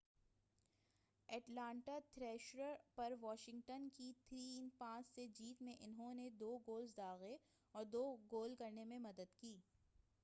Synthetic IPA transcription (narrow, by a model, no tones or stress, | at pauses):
ɛːʈlãːɳʈat̪ʰɾɛːʃɾəɾpɐɾʋɔːʃɪ̃ŋɡʈənkit̪ʰɾiːnpãːt͡ʃsed͡ʒiːt̪mẽʔɪnɦõned̪oːɡoːlzd̪aːɣe | ɔːɾd̪oːɡoːlkɐɾnemẽmɐd̪əd̪kiː